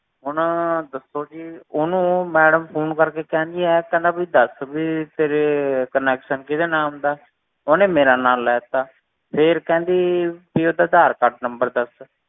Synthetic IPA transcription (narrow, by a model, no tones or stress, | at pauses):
ɦʊnd̪əsoːd͡ʒiːʊnũːmɛːɖəmpʰoːnkəɾkeːkɛ̃ːnd̪iːɛːkɛ̃ːnd̪aːbiːd̪əsbiːt̪eːɾeːkənɛːkʃənkɪt̪eːnaːʊ̃mnd̪aː | oːnẽːmeːɾaːnaːlːɛːt̪aː | pʰɪɾkɛ̃ːnd̪iːpiːod̪aːd̪aːɾkaʈ̚nəmbəɾd̪əs